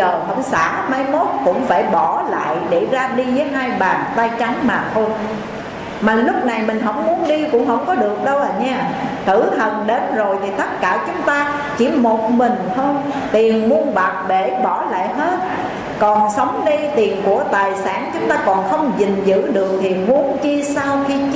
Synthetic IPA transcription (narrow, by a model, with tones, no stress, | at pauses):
əː˨˩ɦə̰˧˥wŋ͡msa̰ː˧˥maː˧jmo˦˥t̚kʊ̰˧˥ŋ͡mfaː˧˩jɓɔ˧˩la̰ː˧˨jɗe˧˩zaː˧ɗi˧vəː˨˦jɦaː˧jɓaː˨˩nt̪aː˧jt͡ɕa˨˦ŋmaː˨˩t̪ʰo˧j | maː˨˩lʊ˦˥k͡p̚na˨˩jmï˨˩ŋ̟ɦə̰˧˥wŋ͡mmu˨˦ənɗi˧kʊ̰˧˥wŋ͡mɦə̰˧˥wŋ͡mkɔ˨˦ɗɨ˨˩ək̚ɗə˧wʔəː˨˩ɲaː˧t̪ʰɨ˧˩t̪ʰə˨˩nɗe˨˦nzo˨˩jt̪ʰi˨˩t̪ə˦˥t̚kaː˧˩t͡ɕʊ˨˦ŋ͡mt̪aː˧ | t͡ɕi˧˩mo˨˩t̚mï˨˩ŋ̟t̪ʰo˧j | t̪i˨˩ənmu˨˧ənɓa˨˩k̚ɓe˧˩ɓɔ˧˩la̰ː˧˨jɦe˦˥t̚ | kɔ˨˩nsə˨˦wŋ͡mɗi˧t̪i˨˩ənku˧˩ət̪aː˨˩jsaː˧˩nt͡ɕʊ˨˦ŋ͡mt̪aː˧kɔ˨˩nxə˧wŋ͡mzï˨˩ŋ̟zɨ̰˧˥ɗɨ˨˩ək̚t̪ʰi˨˩mu˨˦ənt͡ɕi˧sa˧wxi˧